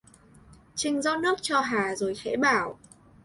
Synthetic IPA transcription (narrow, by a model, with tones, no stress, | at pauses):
t͡ɕï˧ŋ̟zɔ˦˥nɨ˦˥ək̚t͡ɕɔ˧ɦaː˨˩zo˨˩jxɛ̰˧˥ɓaː˧˩w